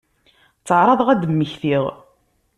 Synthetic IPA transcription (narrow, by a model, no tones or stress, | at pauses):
t͡sːəʕɾˤɑðˤʁæd̪əmːəçθiʁ